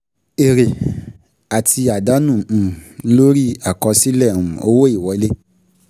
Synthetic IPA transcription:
e˨ɾe˨ | a˨ti˧a˨da˨˦nũ˦˨lo˦ɾi˦a˨kɔ̃˧si˦lɛ̃˦˨ũ˨o˧˦wo˦i˦˨wɔ˨˦i˦le˦

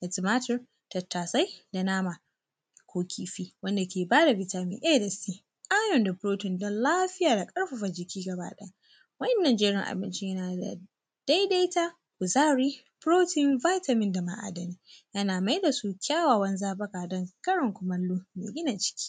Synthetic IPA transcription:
ʔɐ˨tɪ˨maː˦tɪ˦r | tɐ˨tːaː˨sa˦jda˨naː˦ma˨ | kʷoː˦kʲʰiː˨ɸiː˦wɐ˦nda˨kʲeː˨baː˦da˨bɪ˦taː˦mɪ̰˨ʔe˦˨dɐ˨sti˨ | ʔaː˦jɔ˨nda˨ɸɾoː˦tɪ˨ndɔ˦nlaː˦ɸɪ˦jaː˨da˨kʼɐ˦ɽɸa˨ɸa˨d͡ʒɪ˨kʲiː˦ɡɐ˨ba̰ː˦ɗɛ˦a˦ | wɐ˦nːa˨nd͡ʒeː˦ɽɪ˨ŋʔa̰˨bɪ˦nt͡ʃɪ˦ɲjɐ˦naː˨da̰˨ | d̥a˦jda˦jta˦ | kʊ˨zaː˦ɾiː˦ | pɾoː˦tɪ˦˨nva˦jtɐ˨mɪ˨˦nda˨ma̰˨ʔa̰˨dɐ˨niː˨jɐ˦naː˨ma˦jda˨su˦kʲaː˦waː˨wɐ˦nzaː˦bɐ˦kaː˨dɐ˦ŋkɐ˦ɽɔ˨ŋkʷʊ˨mɐ˦lːu˦mḛː˨ɡʲɪ˦na˨t͡ʃɪ̥˦kʲi̥ː˦

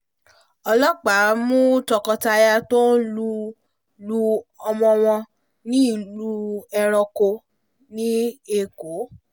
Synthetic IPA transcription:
ɔ˧lɔ˦k͡pa˨˦mũ˦tɔ˧kɔ˧ta˧ja˧to˦lu˧ | lu˧ɔ˧mɔ̃˧w̃ɔ̃˧ | nĩ˦˨lu˦ɛ˧ɾ̃ɔ̃˧ko˧ | nĩ˦e˧ko˨˦

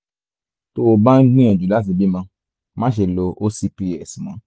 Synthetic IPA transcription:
to˦o˨bã˦ŋ̩˦ɡ͡bĩ˦ɛ̃˨d͡ʒu˨da˦s̬i˨bi˦mã˧ | mã˦ʃ̬e˨lo˧ʔo˦si˧pi˧ɛ˨si˨mã˨˦

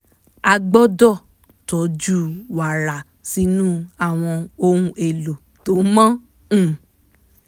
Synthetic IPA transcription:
a˧ɡ͡bɔ˦dɔ˦˨ | tɔ˨˦d͡ʒu˦wa˨ɾa˨ | si˨˦nũː˦a˦˨w̃ɔ̃˧o˧ɾ̃ũ˧ʔe˨lo˨ | to˨˦mã˦ | ũ˦˨

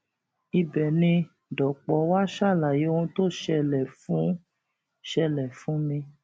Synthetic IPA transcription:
i˧bɛ˨nĩ˧ | dɔ˨k͡pɔ˨˦wa˦ʃa˦˨la˨je˨˦o˦ũ˧˦to˦ʃɛ˧lɛ˨fũ˨˦ | ʃɛ˧lɛ˨fũ˨˦mĩ˧

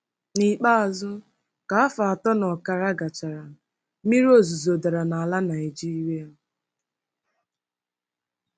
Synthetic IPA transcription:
ni˨k͡pa˦a˨zʊ˦ | ka˨a˦fa˨a˨tɔ˦nɔ˨ka˨ɾa˦ɡa˨t͡ʃa˨ɾa˨ | mi˦ɾo˦˨zu˨zo˨da˨ɾa˨na˨a˨la˦na˨i˨d͡ʒi˦i˦ɾe˦˨

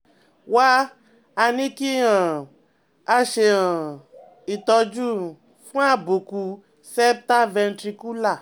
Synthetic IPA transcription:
wa˦ | a˧nĩ˦ki˦ã˨ | a˧ʃe˧ã˨ | i˨t̪ɔ˧d͡ʒu˦ | fũ˦a˦˨bu˨ku˧ | sɛ˦p̚ta˦vɛ˧n˦tɾi˧ku˦la˦˨

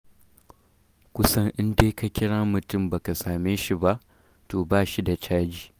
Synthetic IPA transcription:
kʷʊ˦sɐ˦ŋʔɪ˦ndeː˦ka˨kʲɪ˦ɽaː˦mʊ˨tʊ˦˨mba˨ka˨saː˨meː˦ʃi˦ba˦ʔ | toː˨baː˦˨ʃi˦da˨t͡ʃaː˦d͡ʒiː˨

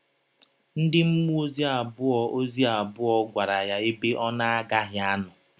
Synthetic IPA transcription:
n̩˦dɪ˦m̩˦mu˦o˦zi˦a˨bʊ˦ɔ˦o˦zi˦a˨bʊ˦ɔ˦ɡʷa˨ɾa˨ja˨e˦be˦ʔɔ˦na˦a˦ɡa˦ɦɪ˦a˦nʊ˨

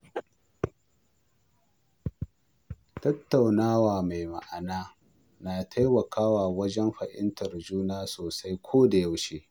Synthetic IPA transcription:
tɐ˦tːa˨wnaː˦waː˨ma˨jma˨ʔa˨naː˦ | naː˨tʰa˦jmɐ˨kʰaː˦waː˨wɐ˦d͡ʒɛ˦mɸɐ˨ʔɪ̰˦ntɐ˨rd͡ʒuː˦naː˦soː˨sa˦jkʷʰoː˦da˨ja˦wʃeː˦

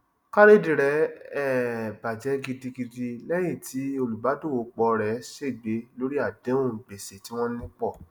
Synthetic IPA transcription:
ka˦ɾe˦˨di˨ɾɛ˨˦ɛ˦˨ba˨d͡ʒɛ˨˦ɡi˧di˧ɡi˧di˧lɛ˦je˦˨tʰi˨˦o˧lu˨ba˨˦do˦˨wo˨˦k͡pɔ˧ɾɛ˨˦ʃe˦˨ɡ͡be˨˦lo˦ɾi˦a˦˨dẽ˨˦ũ˦˨be˨se˨ti˨˦w̃ɔ̃˦nĩ˦k͡pɔ˦˨

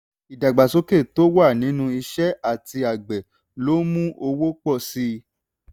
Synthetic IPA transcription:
i˨da˨ɡ͡ba˨so˨˦ke˦˨to˦wa˦˨nĩ˨˦nũ˦i˧ʃɛ˦a˦˨ti˧a˨ɡ͡bɛ˨ | lo˦mũ˦ʔo˧wo˦k͡pɔ˦˨si˦

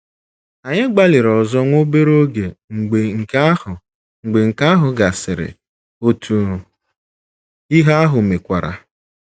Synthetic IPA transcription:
a˨ɲɪ˦ɡ͡ba˦lɪ˨ɾɔ˨zɔ˦ŋʷo˦be˦ɾo˦ɡe˨ŋ̩˨ɡ͡be˨ŋ̩˨ka˦hʊ˨ | ŋ̩˨ɡ͡be˨ŋ̩˨ka˦ɦʊ˨ɡa˨sɪ˨ɾɪ̰˨ | o˨tʰu˨ | i˦ɦa˦a˦ɦʊ˨me˨kʷa˨ɾa̰˨

